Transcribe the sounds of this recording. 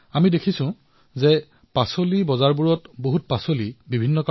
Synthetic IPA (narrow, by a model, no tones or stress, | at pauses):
amidekʰisʊ̃ | zɛ | pasolibɔzaɹbuɹɔtboɦut̚pasolibibʱinːɔka